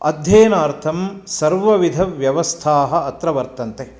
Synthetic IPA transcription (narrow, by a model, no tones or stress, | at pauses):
ɐ̰d̪ʱjeːnaːɾt̪ʰɐmsɐɾʋɐʋid̪ʱɐʋjɐʋɐst̪ʰaːɦɐ̆ɐt̪ɾɐʋɐɾt̪ɐnt̪e